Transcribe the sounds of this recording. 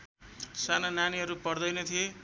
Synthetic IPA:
sanʌnaniɦʌɾupʌrd̪ʌjnʌt̪ʰije

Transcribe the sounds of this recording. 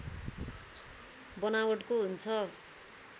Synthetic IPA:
bʌnawʌʈkoɦunt͡sʰʌ

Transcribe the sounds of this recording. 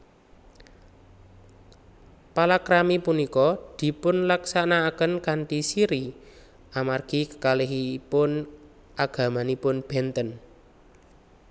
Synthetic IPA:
palakɾamipunikɔd̪̥i̤pʊnlaksanaːkənkaɳʈisiɾi | ʔamarɡ̥i̤kə̥kaleɦipʊn | ʔaɡ̥ä̤manipʊnb̥ɛ̤nt̪ən

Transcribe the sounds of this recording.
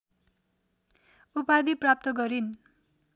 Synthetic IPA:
upad̪iprap̚t̪ʌɡʌɾin

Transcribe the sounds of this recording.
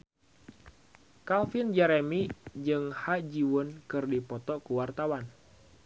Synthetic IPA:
kalfind͡ʒɛɾɛmid͡ʒɨŋhad͡ʒiwunkɨrdipɔt̪ɔkuwart̪awan

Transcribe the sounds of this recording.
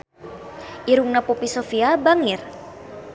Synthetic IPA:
ʔiɾuŋnapupisofiabaŋir

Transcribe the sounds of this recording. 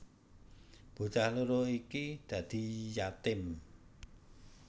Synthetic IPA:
b̥o̤t͡ʃahluɾoikid̪̥ä̤d̪̥i̤jat̪ɪm

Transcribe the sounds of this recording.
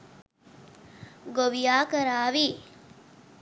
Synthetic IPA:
ɡoʋijaːkɐɾaːʋiː

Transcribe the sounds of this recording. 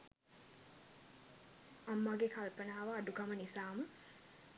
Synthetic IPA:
amːaɡekalpənaːʋaːɖukamənisaːmə

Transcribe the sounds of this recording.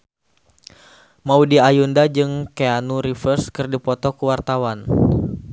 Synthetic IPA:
maudiajundad͡ʒɨŋkeanuɾifərskɨrdipɔt̪ɔkuwart̪awan

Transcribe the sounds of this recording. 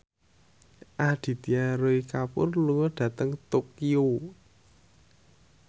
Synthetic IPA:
ʔad̪̥i̤t̪iaɾoikapʊ̰rluŋɔɖ̥ä̤t̪əŋt̪okio

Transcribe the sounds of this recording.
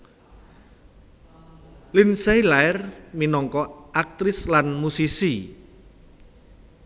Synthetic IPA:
linsejlaɛrminɔŋkɔʔak̚t̪ɾɪslanmusisi

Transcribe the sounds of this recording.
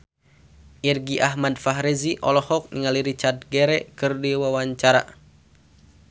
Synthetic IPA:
ʔirɡiʔaɦmadfaɦɾɛziʔɔlɔhɔk̚niŋaliɾit͡ʃard̪̚ɡɛɾɛkɨrdiwawaɲt͡ʃaɾa̰

